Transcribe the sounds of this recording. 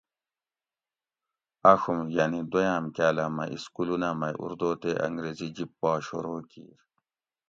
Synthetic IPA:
ɐxumjanid̪ojaːmkaːlamɐ̰ʔiskulunamɐjʔṵɾd̪oːt̪eʔɐ̰ŋɡɾezid͡ʑipːaːɕoɾoːkḭːɾ

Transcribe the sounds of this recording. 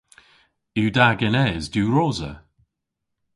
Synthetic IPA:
iːdaɡɛnɛːzduːɹoːzə̰

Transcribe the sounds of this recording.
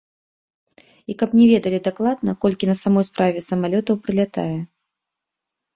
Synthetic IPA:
ikɐpnʲɛvʲɛd̪ɐlʲid̪aklˠad̪nɐkɔlʲkʲinɐsamɔjspɾavʲɛsɐmalʲɔt̪ɐwpɾɨlʲat̪a̰jɛ

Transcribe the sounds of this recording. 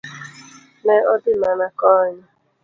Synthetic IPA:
neɔdɪnanakɔɲa

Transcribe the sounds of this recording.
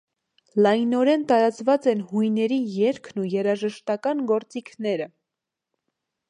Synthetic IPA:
lɑjnɔɾɛnt̪ɑɾɑt͡svɑt͡sɛnhujnɛɾijɛɾkʰnujɛɾɑʒəʃt̪ɑkɑnɡɔɾt͡sikʰnɛɾə

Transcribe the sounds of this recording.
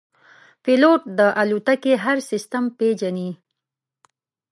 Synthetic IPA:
piloʈ̚d̪əʔalut̪akeɦaɾsɪst̪amped͡ʒani

